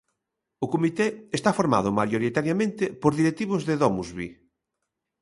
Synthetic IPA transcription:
ʊkomit̪eest̪afoɾma̰ðʊmajoɾit̪aɾjamẽnt̪ɪpoɾðiɾek̚t̪iβ̞ʊzðeðɔmuzβḭ

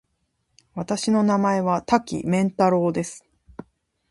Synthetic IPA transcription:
βat̪aɕino̞namae̞βat̪akʲḭmẽ̞nt̪aɾo̞ːd̪e̞sɨ̥

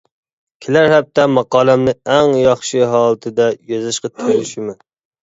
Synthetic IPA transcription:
kʲʰelæɾhɛp̚t̪ʰɛmɑqɑːlˠɛmnɨɛŋjɑχʃɨɦɑːlˠɨt̪ʰɨd̪ɛjɑzɪʃqɑt̪ʰɨɾlɪʃimɪ

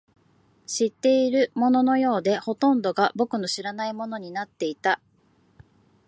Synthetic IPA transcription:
ɕit̪ːe̞iɾɯ̟mo̞no̞no̞jo̞ːd̪e̞ho̞t̪õ̞nd̪o̞ɡabo̞kɯ̟no̞ɕiɾanaimo̞no̞ɲ̟inat̪ːe̞it̪a

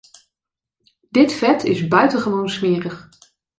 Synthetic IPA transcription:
d̥ɪtfɛtʰɪzbœɥtəχəʋownsmɪːrəχ

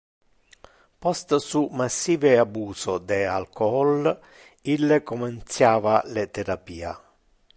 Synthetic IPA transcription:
pɔst̪sumasːiːveabuːsod̪ɛa̰lkɔɔl | ilːekɔmɛnt̪sjaːvalɛt̪ɛɾapiːa̰

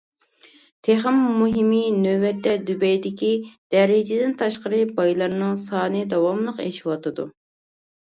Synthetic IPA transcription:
t̪ʰeχəmːuɦiminøwɛt̪ːɛd̪ybɛjd̪ɪkʲid̪̥ɛɾɪd͡ʒɪd̪ɪnt̪ʰɑʃqəɾɨbɑjlˠɑɾnɨŋsɑːnɨd̪ɑwɑmlˠəqḛʃi̥wɑt̪ʰɨd̪ṵ

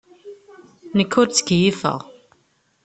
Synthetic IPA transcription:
nəkʰːʊɾt͡sːə̥ɡjifə̰ʁ

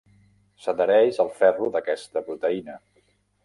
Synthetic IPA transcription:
səd̪əɾɛzəlˠfɛruðəkɛst̪əpɾut̪əinə

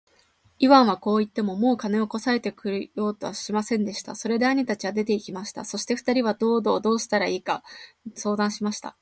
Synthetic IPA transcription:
iβãɰ̃βako̞ːit̪ːe̞mo̞mo̞ːkane̞o̞ko̞sae̞t̪e̞kɯ̟ɾjo̞ːt̪o̞βaɕimasẽ̞nd̪e̞ɕi̥t̪a̰so̞ɾe̞d̪eaɲ̟it̪at͡ɕiβad̪e̞t̪e̞ikʲimaɕi̥t̪a̰so̞ɕi̥t̪e̞ɸɯ̟̥t̪aɾʲiβad̪o̞ːd̪o̞ːd̪o̞ːɕi̥t̪aɾaiːka | so̞ːd̪ãɰ̃ɕimaɕi̥t̪a̰

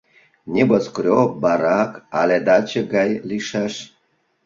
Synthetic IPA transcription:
nʲeboskɾʲobɑɾɑkɑ̰lʲed̪at͡ɕeɡɑjliʃɑʃ

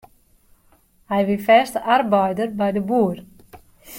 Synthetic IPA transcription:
hɛjʋifɛstəʔarbɔjdərbɛjdəbuːər

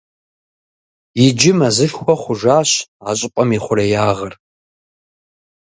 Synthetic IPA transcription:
jɪd͡ʒɪmɐzɨɬxʷɔχʷʊʒaːɕaːɕʼɪpʼɐmiχʷʊɾɐjaːʁɐr

